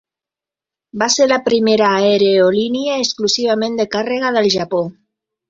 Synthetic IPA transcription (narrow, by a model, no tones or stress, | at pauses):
baseɾlapɾimeɾaːeɾeoliniaesklusiβ̞amẽnd̪ekareɣ̞aðelʒapo